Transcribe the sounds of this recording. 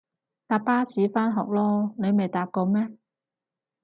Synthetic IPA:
t̪aː˨˥pːaː˥siː˨˥faː˥nɦɔ̰ː˨k̚lɔː˥ne˨˧jme˨jt̪aː˨˥p̚kɔː˧mɛː˥

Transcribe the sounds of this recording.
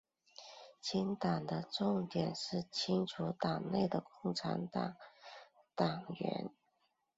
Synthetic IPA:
t͡ɕʰi˥ŋt̪ɑ˨˩ŋd̪ə˦ʈ͡ʂʊ˥˩ŋt̪jɛ˨˩nʂɻ̩˥˩t͡ɕʰi˥ŋʈ͡ʂʰu˧˥t̪ɑ˨˩ŋne˥˩ɪd̪ə˩kʊ˥˩ŋʈ͡ʂʰa̰˧˥nt̪ɑ˨˩˦ŋ | t̪ɑ˨˩ŋɥɛ̰˧˥n

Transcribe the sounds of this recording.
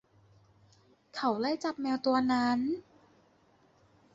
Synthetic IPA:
kʰa˧˩˦wla˥˩jt͡ɕa˨˩p̚mɛː˧wt̪u˧ɐna˦˥n

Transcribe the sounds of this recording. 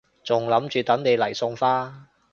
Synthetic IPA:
t͡sʊ˨ŋlɐ˨˥mt͡ʃyː˨t̪ɐ˨˥ŋne˨˧jlɐ˨˩jsʊ˧ŋfaː˥

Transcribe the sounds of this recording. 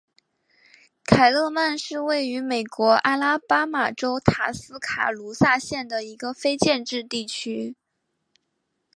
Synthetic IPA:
kʰa˨˩ɪlɤ˥˧ma˥˧nʂɻ̩˥˧we˥˩ɪy˧˥me˨˩ɪkwɔ˧˥ʔa˥la˥pa˥ma˨˩ʈ͡ʂo˥ʊt̪ʰa˨˩sɹ̩˥kʰa̰˨˩lu˧˥sa˥˧ɕjɛ˥˩nd̪ə˩i˧˥ɡə˧fe˥ɪt͡ɕjɛ˥˧nʈ͡ʂɻ̩˥˧t̪i˥˩t͡ɕʰy˥

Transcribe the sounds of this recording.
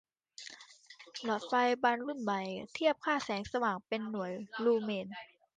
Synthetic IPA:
lɔ˨˩t̪̚fa˧jba˧nlu˥˩nma˨˩jt̪ʰi˥˩əp̚kʰaː˥˩sɛː˩˦ŋsa˧waː˨˩ŋpe˧nːu˨˩˦əjluː˧meː˧n

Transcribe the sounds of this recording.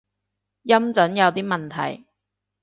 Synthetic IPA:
jɐ˥mt͡sɵ˨˥njɐ˨˧wt̪iː˥mɐ˨nt̪ʰɐ̰˨˩j

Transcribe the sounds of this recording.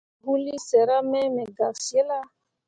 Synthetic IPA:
bu˦li˦sɛ˨ɾa˦mɛ˦mɛ˨ɡa˨si˨e˦la˦

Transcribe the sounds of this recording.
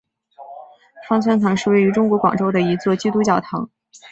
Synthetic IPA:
fɑ˥ŋt͡sʰwa˥nt͡s̪ʰɑ˧˥ŋʂɻ̩˥˧we˥˩ɪy˧˥ʈ͡ʂʊ˥ŋkwɔ˧˥kwɑ̰˨˩ŋʈ͡ʂo˥ʊd̪ə˨i˧˥t͡swɔ˥˩t͡ɕi˥t̪u˥t͡ɕjɑ˥˩ʊt̪ʰɑ˧˥ŋ

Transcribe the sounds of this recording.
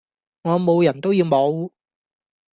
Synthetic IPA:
ŋɔː˨˧mo˨˧wjɐ˨˩nt̪o˥wji˧wmo˨˧w

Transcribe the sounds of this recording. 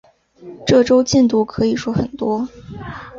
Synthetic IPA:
ʈ͡ʂɤ˥˩ʈ͡ʂo˥ʊt͡ɕi˥˧nt̪u˥˩kʰɤ˧˥i˨˩ʂwɔ˥xə˨˩nt̪wɔ˥

